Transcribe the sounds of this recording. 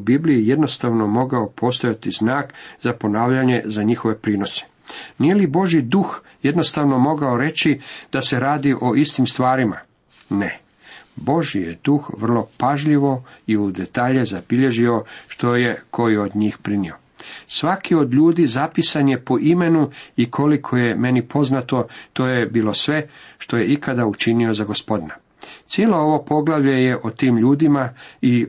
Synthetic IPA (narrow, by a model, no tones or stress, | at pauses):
ubibliije̞d̪no̞st̪aʋno̞mo̞ɡaopʰo̞st̪ojat̪iznaːkzapo̞naːʋʎaɲe̞zaɲixo̞ʋe̞pɾiːno̞se̥ | nije̞libo̞ʒjid̪ux | je̞d̪no̞st̪aʋno̞mo̞ɡaoɾe̞t͡ɕid̪̥ase̞ɾaːd̪iʔo̞ist̪imst̪ʋaːɾima | ne̞ | bo̞ʒijḛd̪uxʋr̩lˠo̞paʒʎiʋo̞iud̪e̞t̪aːʎezabiʎe̞ʒio̞ʃt̪o̞je̞kʰo̞jod̪ɲiːxpɾinio | sʋakio̞d̪ʎuːd̪iːzapisanje̞po̞ʔime̞nuikʰo̞likʰo̞je̞me̞nipʰo̞znat̪o̞t̪o̞ːje̞biːlˠo̞sʋe̞ʃt̪o̞je̞ikʰad̪aut͡ʃinio̞zaɡospo̞d̪ina | t̪sjeːloo̞ʋo̞po̞ɡlaʋʎe̞je̞ʔot̪iːmʎuːd̪imai